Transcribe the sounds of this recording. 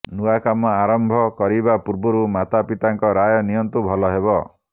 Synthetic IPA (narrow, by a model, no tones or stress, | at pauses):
nuakamɔaɾɔmbʱɔkɔɾibapuɾbɔɾumat̪apit̪aŋkɔɾajɔnijɔnt̪ubʱɔlɔɦeβɔ